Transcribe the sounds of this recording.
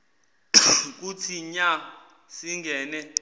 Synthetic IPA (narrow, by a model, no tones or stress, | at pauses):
k̬ut͡sʰiɲa | siŋɡɛːnɛ